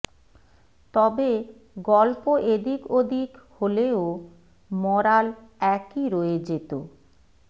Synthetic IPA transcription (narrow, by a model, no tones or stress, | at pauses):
t̪ɔbe | ɡɔlpoʔed̪ikod̪ʱikholeo | mɔɾalɛkiɾoed͡ʑet̪o